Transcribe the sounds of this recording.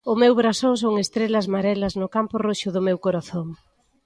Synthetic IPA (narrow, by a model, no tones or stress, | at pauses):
ʊmewβɾasoŋsoŋest̪ɾelɐzmaɾɛlɐznʊkampʊroʃʊðʊmewkoɾaθoŋ